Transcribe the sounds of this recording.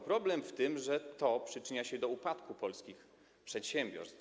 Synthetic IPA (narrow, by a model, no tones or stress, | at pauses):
pɾɔblɛmft̪ɘmʐɛt̪ɔpʂɘt͡ʂɘɲaɕɛd̪ɔupat̪kupɔlskʲix | pʂɛt̪ɕɛmʲbʲjɔ̰ɾst̪